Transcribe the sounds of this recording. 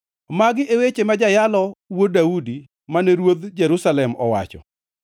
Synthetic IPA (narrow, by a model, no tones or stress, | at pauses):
maɡɪʔewet͡ʃemad͡ʒajalɔwodaudi | manɛɾwod̪d͡ʒɛɾusalɛmɔ̰wa̰t͡ʃɔ̰